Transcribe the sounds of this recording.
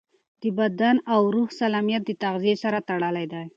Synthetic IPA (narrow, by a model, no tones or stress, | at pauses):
d̪̥əbad̪anawɾuhsalamijat̪̚d̪ət̪aɣzijesaɾat̪aɽəlajd̪aj